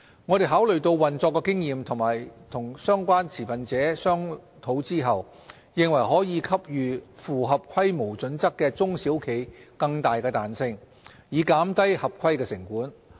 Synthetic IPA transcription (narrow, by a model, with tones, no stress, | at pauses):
ŋɔː˨˧t̪e˨jɦaː˨˥wlɵ˨˩ɥt̪o˧wːɐ˨nt͡sɔː˧kːɛː˧kɪ˥ŋjiː˨mt̪ʰʊ˨˩ŋmaː˨˩jt̪ʰʊ˨˩ŋsœː˥ŋkʷaː˥nt͡sʰiː˨˩fɐ˨nt͡sɛː˨˥sœː˥ŋ | t̪ʰo˨˥wt͡siː˥ɦɐ˨w | jɪ˨ŋwɐ˨˩jɦɔː˨˥jiː˨˧kʰɐ˥p̚jyː˨fuː˨˩ɦɐ˨p̚kʷʰɐ˥jmo˨˩wt͡sɵ˨˥nt͡sɐ˥kːɛː˧t͡sʊ˥ŋsi˨˥wkʰe˨˩jkɐ˧ŋt̪aː˨jkɛː˧t̪aː˨nsɪ˧ŋ | jiː˨˧kaː˨˥mt̪ɐ˥jhɐ˨p̚kʰɐ˥jkɛː˧sɪ˨˩ŋkuː˨˥n